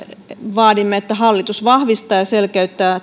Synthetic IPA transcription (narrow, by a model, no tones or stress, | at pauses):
ʋɑːdimːeet̪ːæhɑlːit̪usʋɑhʋist̪ɑːjɑselkæyt̪ːæː